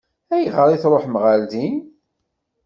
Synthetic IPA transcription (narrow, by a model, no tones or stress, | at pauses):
æjʁəɾˤiθɾˤoħmʁald̪in